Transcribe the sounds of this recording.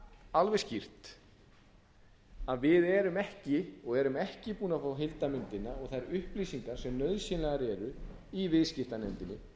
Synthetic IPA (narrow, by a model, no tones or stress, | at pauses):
alvɛ̥scir̥t̪ | aðvɪðɛɾʏmɛhcɪɔɣɛɾʏmɛhcɪpuːnafawɦɪlt̪amʏnt̪ɪnːaɔɣθajɾʏhplisiŋkaɾ̥sɛmnœðsjɪnlɛɣaɾɛɾʏ | ivɪðscɪft̪anɛnt̪ɪnːɪ